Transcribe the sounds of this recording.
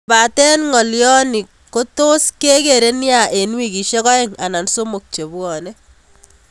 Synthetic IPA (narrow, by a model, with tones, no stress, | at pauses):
ba˨tɛ˦nŋɔ˨ljɔ˦ni˨ | ko˦to˦ske˦ke˨ɾe˦nja˨e˨nwi˦ki˨ʃe˦kɔ˦ɛ˦ŋa˨na˨nso˦mo˨k̚t͡ʃe˨bwɔ˨ne˦